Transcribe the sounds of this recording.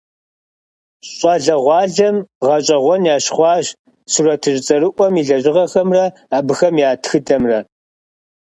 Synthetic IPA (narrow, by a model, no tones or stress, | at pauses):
ɕʼɑɮɐʁʷɑːɮɐmʁɐɕʼɐʁʷɔnjaːɕχʷɑːʑ | surɐtʰɨʑt͡sʼɐɾɨʔʷɔmiɮɐɕʼɪʁɐxɐmrɐ | aːbɨxɐmjaːtʰxɨtʰɐmrɐ